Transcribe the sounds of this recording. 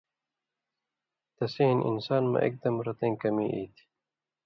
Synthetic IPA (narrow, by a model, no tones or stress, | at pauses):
t̪ɐseːnʔḭnsaːnmɐ̰ʔḛk̚d̪ɐmɾɐt̪ẽːŋkɐmiːʔḭːt̪ʰ